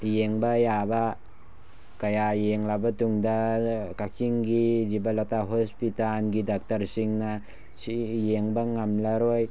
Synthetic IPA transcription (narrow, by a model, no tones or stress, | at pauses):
jeŋbɐjabɐ | kajajeŋlabɐtuŋdɐkakʰiŋɡizibalataɦospitanɡidak̚tɐɾsiŋnɐ | sijeŋbɐŋamlaɾoj